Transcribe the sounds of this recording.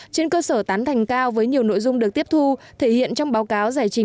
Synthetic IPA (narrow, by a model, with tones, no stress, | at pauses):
t͡ɕe˧nkəː˧səː˧˩t̪aː˨˦nt̪ʰa˨˩jŋ̟kaː˧wvəː˨˦jɲi˨˩əwno̰˧˨jzʊ˧ŋ͡mɗək̚t̪i˦˥əp̚t̪ʰu˧ | t̪ʰe˧˩hḭ˧˨ənt͡ɕɔ˧wŋ͡mɓaː˨˦wkaː˨˦wzaː˧˩jt͡ɕï˨˦